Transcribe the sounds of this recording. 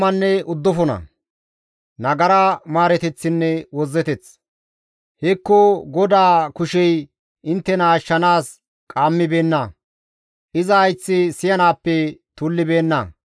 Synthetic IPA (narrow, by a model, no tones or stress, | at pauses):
mɐnːɛʊd̪ːɔfɔnɐ̰ | nɐɡɐɾɐmaːɾɛt̪ɛt͡sːɪnːɛwɔzːɛt̪ɛt͡s | hɛkːɔɡɔd̪aːkʊʃɛj | ɪnt̪ːɛnɐːʃːɐnaːs | kʼaːmːɪbeːnːɐ | ʔɪzɐːjt͡sːɪsɪjɐnaːpːɛt̪ʊlːɪbe̞ːnːɐ̰